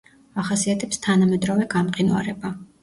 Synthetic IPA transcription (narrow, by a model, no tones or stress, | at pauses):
aχasiat̪ʰɛpst̪ʰanamɛd̪ɾɔvɛɡamqʼinwa̰ɾɛba